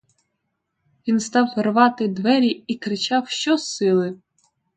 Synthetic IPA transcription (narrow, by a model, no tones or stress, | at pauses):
ʋʲinst̪ɑwʋerʋɑt̪ɪd̪ʋɛɾʲiikɾɪt͡ʃɑwʃt͡ʃɔsɪlˠɪ